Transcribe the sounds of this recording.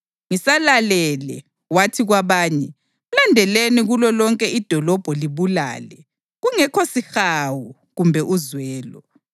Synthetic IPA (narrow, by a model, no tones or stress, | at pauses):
ŋisalalɛːlɛ | watʰiɣwaβaːɲɛ | ulandʱɛleniɣulɔlɔŋkʼɛid̥ʱɔlɔb̥ʱɔliβula̰ːlɛ | ɣuŋɛkʰosixawu | ɣumbʱɛʔuzwɛːlɔ